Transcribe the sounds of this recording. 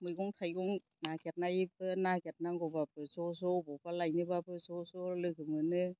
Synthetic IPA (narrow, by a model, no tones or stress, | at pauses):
mɯjɡɔŋtʰajɡɔŋ | naket̚najibɯnaket̚naŋɡɔbabɯsɔsɔbɔpalajnɯbabɯsɔsɔlɯkɯmɯnɯ